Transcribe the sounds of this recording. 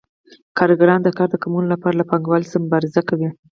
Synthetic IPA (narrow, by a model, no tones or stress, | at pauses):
kɑɾɡaɾɑnd̪əkɑɾd̪əkamunolapɑɾalapɑŋɡwɑlsəmʊbɑɾɪzakawi